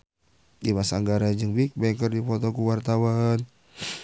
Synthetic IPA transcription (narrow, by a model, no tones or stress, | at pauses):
dimasaŋɡaɾad͡ʒɨŋbik̚bajŋkərdifɔt̪ɔkuwart̪awan